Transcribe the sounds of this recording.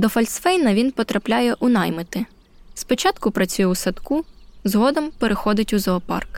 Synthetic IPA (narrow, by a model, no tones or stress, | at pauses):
d̪ɔfɐlʲsfɛjnɐʋʲinpɔt̪ɾɐplʲajɛʔʊnɑjmɪt̪ɪ | spɔt͡ʃɑt̪kʊpɾɐt͡sʲujɛwsɐt̪kuzɦɔd̪ɔmpeɾʔexɔd̪ɪtʲuzɔːpɑ̰rk